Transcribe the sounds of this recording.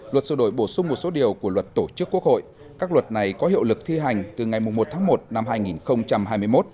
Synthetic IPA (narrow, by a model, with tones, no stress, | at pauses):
lwə˨˩t̚sɨ̰˧˩ɗo˧˩˨jɓo˧˩sʊ˧ŋ͡mmo˨˩t̚so˨˦ɗi˨˩əwku˧˩əlwə˨˩t̚t̪o˧˩t͡ɕɨ˦˥əkːu˦˥ək̚ho̰˧˨j | kaː˦˥k̚lwə˨˩t̚na˨˩jkɔ˨˦ɦḭ˧˨əwlɨ˨˩k̚t̪ʰi˧ɦa˨˩jŋ̟t̪ɨ˨˩ŋa˨˩jm˨˩ŋ͡mmo˨˩t̪̚ʰaː˨˦ŋmo˨˩t̚na˧mɦaː˧jŋi˨˩nxə˧wŋ͡mt͡ɕa˧mɦaː˧jmɨ˧əjmo˦˥t̚